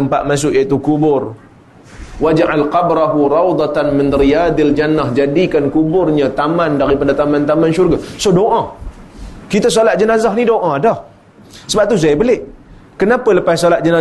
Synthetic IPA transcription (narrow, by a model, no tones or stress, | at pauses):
t̪əmpa̰ʔ̪̚mas̬ʊʔjat̪ukubʊr | wad͡ʒʕalqɑbɾaɦuɾɑwd̪ˤɑt̪anmɪnrijad̪ald͡ʒanːahd͡ʒadikankubʊrɲat̪amãndaɾipadat̪amãnt̪amãnʃurɡasohdoʔã | kit̪as̬olat̪̚d͡ʒənazaɦnidoʔãdah | səbap̚t̪us̬ajabəlɪʔ | kənapələpassolat̪̚d͡ʒəna